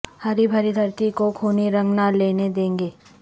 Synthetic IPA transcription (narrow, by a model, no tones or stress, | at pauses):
hɐɾibʱɐɾɪd̪ʱəɾt̪ikokʰuːniɾɐ̃ŋɡnaleːned̪ẽːŋɡeː